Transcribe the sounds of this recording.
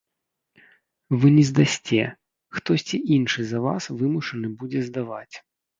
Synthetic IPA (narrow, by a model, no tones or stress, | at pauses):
vɨnʲɛzd̪asʲt͡sʲɛ | xt̪ɔsʲt͡sʲiʔinʂɨzɐva̰svɨmuʂɨnɨbud͡zʲɛzd̪ava̰t͡sʲ